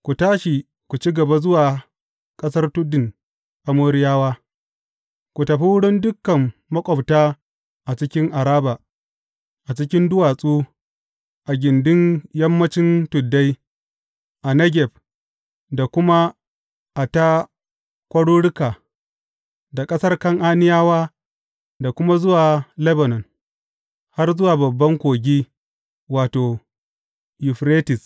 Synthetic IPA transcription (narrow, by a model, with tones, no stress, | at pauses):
kʷu˨taː˦ʃi˨ | kʷu˨t͡ʃi˦ɡɐ˨ba˦zʊ˦waː˨ | kʼɐ˦sɐ˦rtʊ˦dɪ˨n | ʔa˨moː˦ɾɪ˦jaː˦waː˦ | kʷu˨tɐ˨ɸi˦wʊ˦ɽɪ˦ndʊ˦kːɐ˨mːɐ˦kʷʼɔ˨btaː˦ | ʔa˨t͡ʃɪ˦kʲɪ˦ŋʔa˨ɾaː˦ba˨ | ʔa˨t͡ʃɪ˦kʲɪ˦ndʊ˦waː˨sʼuː˦ | ʔa˨ɡʲɪ˨ndʊ˦njɐ˦mːɐ˦t͡ʃɪ˦ntʊ˨dːa˦j | ʔa˨nɐ˦ɡʲɛ˨b | da˨kʷʊ˦ma˦ | ʔa˨ta˦ | kʷɐ˦ɽuː˦ɽɪ˦ka˨ | da˨kʼɐ˦sɐ˦rkɐ˦ŋʔa˦nɪ˦jaː˦waː˦ | da˨kʷʊ˦ma˦zʊ˦waː˨lɛ˦bɐ˨nɔ˨n | ha˦rzʊ˦waː˨bɐ˨bːɐ˦ŋkʷoː˨ɡʲiː˦ | waː˨toː˨ | jʊ˨ɸɾeː˦tɪ˨s